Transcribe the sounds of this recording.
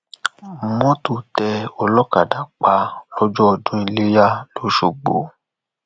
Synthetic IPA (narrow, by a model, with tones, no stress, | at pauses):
mɔ̃˦tu˦˨tɛ˧ɔ˧lɔ˦ka˨da˨k͡pa˧lɔ˦d͡ʒɔ˦ɔ˨dũ˦i˧le˦ja˦lo˨˦ʃo˨ɡ͡bo̰˨˦